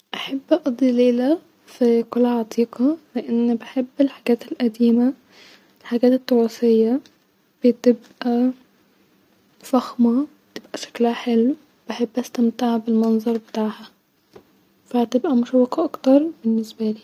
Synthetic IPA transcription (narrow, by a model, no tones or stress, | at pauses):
ʔaħabːʔɑʔɑd̪ˤːileːlæ | fikʊlːʕɑt̪ˤʰiːqɑleʔɪnːbɪħebːɪlħaɡæːt̪ɪlʔæd̪iːma | ɪlħaɡæːt̪ɪt̪ˤːɑɾɑsɪjːa | b̥ɪt̪ɪbʔæ | fɑxmɑbɪt̪ɪbʔæʃḁklæħelːw | b̥aħebːʔæst̪amt̪aʕbɪlmɑnzˤɑɾˤbɪt̪aːʕhæ | fæt̪ɪbʔæmʊʃæwːɑqɑʔɑkt̪ɑɾˤbɪnːɪsbæliː